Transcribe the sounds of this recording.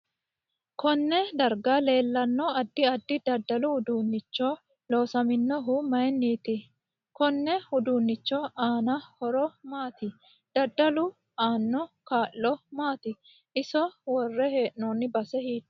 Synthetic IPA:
kɔnːɛd̪ɐɾɡale̞ːlːɐnːɔɐd̪ːɪɐd̪ːɪd̪ɐd̪ːɐlʊhʊd̪uːnːɪt͡ʃːɔ | lo̞ːsɐmɪnːɔɦʊmɐjɛnːiːt̪ɪ | kɔnːɛhʊd̪uːnːɪt͡ʃːɔaːnɐhɔɾɔmaːt̪ɪ | d̪̥ɐd̪ːɐlʊ | aːnːɔkaːʔːɔmaːt̪ɪ | ʔɪsɔwɔrːɛheːʔnɔːnːɪbɐsɛhiːt̪ː

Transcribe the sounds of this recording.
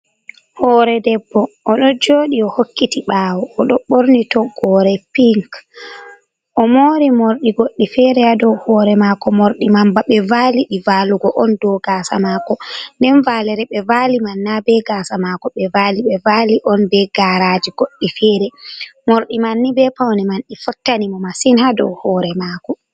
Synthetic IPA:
hɔːɾɛdɛbːɔʔɔɗɔd͡ʒoːɗiɔhokːitiɓaːwɔːɗɔɓoɾnitɔɡɔːɾɛpiŋk | ʔɔmoːɾimoɾɗiɡoɗːifɛɾɛadɔwhɔːɾɛmakɔmoɾɗimambaɓɛvaːliɗivaːluɡɔʔɔndɔɡaːsa̰makɔndɛnvalɛɾɛɓɛvalimanːabɛɡasamakɔɓɛvaliɓɛvaliʔɔnbɛɡaɾad͡ʒiɡ̥oɗːifɛɾɛmoɾɗimanːibɛpawnimanɗifɔtːanimɔmasinhadɔ̰whɔːɾɛmakɔ

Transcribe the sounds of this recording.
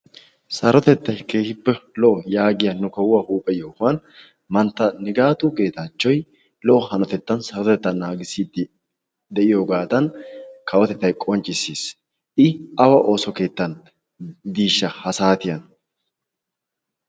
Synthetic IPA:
sɐɾɔt̪ɛt̪ːɐjke̞ːhɪbːɛlɔʔɔjaːɡɪjɐnːʊkɐwːɐhuːpʼɛjoːhɐn | mɐnt̪ːɐnɪɡaːt̪uːke̞ːt̪at͡ʃːɔj | lɔʔɔhɐnɔt̪ɛt̪ːɐnsɐɾɔt̪ɛt̪ːɐnːaːɡɪsiːd̪ | d̪ɛʔɪjoɡaːt̪ɐnkɐwɔt̪ɛt̪ːɐjkʼɔnt͡ʃʼɪsiːs | ʔɪɐwɐʔo̞ːsɔke̞ːt̪ːɐn | d̪iːʃːɐhɐsaːt̪ɪjɐn

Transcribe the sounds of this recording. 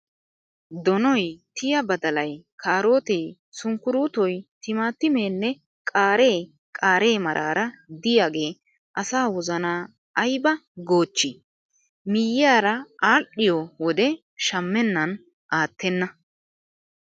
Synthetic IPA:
d̪ɔnɔjt̪ɪjɐbɐd̪ɐlɐjkʰaːɾo̞ːt̪ej | sʊŋkːʊɾuːt̪ɔjt̪ɪmaːt̪ːɪme̞ːnːɛ | kʼaːɾe̞ː | kʼaːɾe̞ːmɐɾʔaːɾɐd̪ɪjaːɡe̞ː | ʔɐsaːwɔzɐnaː | ʔɐjbɐɡo̞ːt͡ʃːɪ | mɪjɪjaːɾɐaːɗɪjɔwɔd̪ɛ | ʃɐmːɛnːɐn | ʔaːt̪ːɛnːɐ

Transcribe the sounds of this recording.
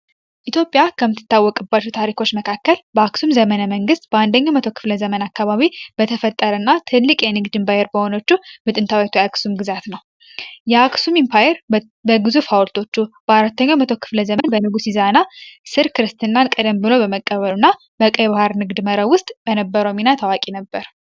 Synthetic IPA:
ʔit̪ʰjo̞pʼjakʰəmːɨt̪ʰːɨ̥t̪ːawːɔkʼɨbat͡ʃːut̪ʰaɾikʰo̞t͡ʃːməkʰakːəlbəaksumzəmənəməŋɡɨst̪̚bəand̪əɲːamət̪ʰokʰɨ̥fləzəmənakːaβaβib̥ət̪ʰəfət̪ʼːəɾənːat̪ʰɨlːɨkʼjɛnɨɡd̪ɨmpajɛɾbəho̞no̞t͡ʃːumɨt̪ʼɨnt̪ʰawet̪ʰujaksumɡɨzat̪nəw | jɛaksumimpʰajɛɾ | bəɡɨzufhawlt̪ʰo̞t͡ʃːub̥əaɾat̪ːəɲːamət̪ʰo̞kʰɨ̥fləzəmənbənɨɡusizanasɨɾkɨɾɨst̪ʰɨnːankʼɨd̪əmbɨlo̞bəməkʼːəβəlunːa | bəkʼəjβahaɾnɨɡd̪məɾəwʊst̪ʼb̥ənəbːəɾominat̪ʰawakʼinəbːəɾ

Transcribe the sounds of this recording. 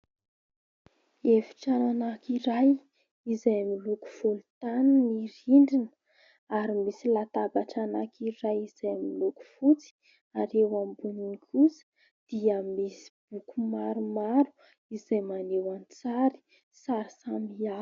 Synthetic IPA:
efi̥ʈ͡ʂananakiɾaj | izajmiluku̥fulut̪aniniɾiɳɖ͡ʐinə̥ | aɾimisilat̪abaʈ͡ʂanakiɾajizajmiluku̥fut͡si̥ | aɾewambuniŋkʰusə̥ | d̪̥iəmisi̥b̥ukumaɾumaɾu̥ | izajmanewant͡saɾi̥ | saɾisamia

